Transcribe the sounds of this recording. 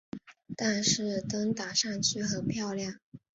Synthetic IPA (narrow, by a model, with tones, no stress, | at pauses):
t̪a˥˧nʂɻ̩˥˩t̪ɤ˥ŋt̪a˨˩ʂa˥˧ŋt͡ɕʰy˥xə˨˩npʰjɑ˥˧ʊljɑ˥˩ŋ